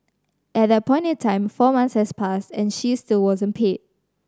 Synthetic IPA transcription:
ʔɛt̚ðɛt̚pʰɔ̃ɪ̃ntɛ̃ntʰãɪ̃mfɔmãnshɛspʰastɛ̃nʃistilwɔzə̃npʰed̚

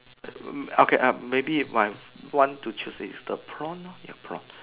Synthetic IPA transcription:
okʰeʔamebimaj | wãntut͡ʃusḭsdəpʰɹɔ̃nːoja̰pʰɹɔ̰̃n

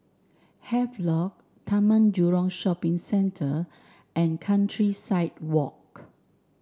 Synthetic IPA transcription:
hɛflɔk̚ | tʰamə̃nd͡ʒuɹɔ̃ŋʃɔpĩŋsɛ̃ntʰə | ʔɛ̃nkʰãntʰɹisaɪt̚wɔk

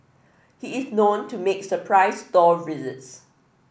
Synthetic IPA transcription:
hiɪsnõntʰumeksəpʰɹaɪsdɔvizəts

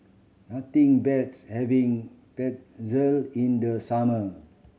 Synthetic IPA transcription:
nat̪ĩŋbɛtshɛvĩŋ | pɛt̚zəlĩndəsamə

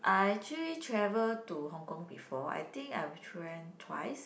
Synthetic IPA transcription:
ʔajɛkt͡ʃəlitʰɹɛvəltuhɔ̃ŋkɔ̃ŋbifɔa̰jt̪ĩŋka̰jwitʰɛ̃ntʰwa̰ɪs

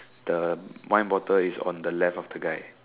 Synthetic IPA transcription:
d̥əwãɪ̃nwɔtəisɔ̰̃ndəlɛfɔfdəɡaɪ

